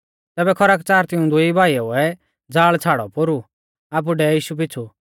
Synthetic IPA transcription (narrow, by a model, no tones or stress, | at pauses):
t̪ɛːbɛkʰɔɾakt͡saːɾt̪ɪũd̪ʊibaːiɔuɛ | d͡zaːɭt͡sʰaːɽɔ̰poɾu | aːp̬uɖɛjiːʃup̬ɪt͡sʰu